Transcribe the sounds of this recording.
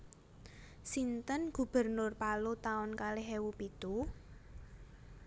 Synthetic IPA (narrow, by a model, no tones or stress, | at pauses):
sint̪ənɡ̥ṳb̥ə̤rnʊrpalut̪aʊnkaleɦewupit̪u